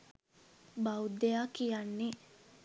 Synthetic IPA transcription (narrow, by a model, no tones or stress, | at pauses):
bawd̪ejaːkijanːe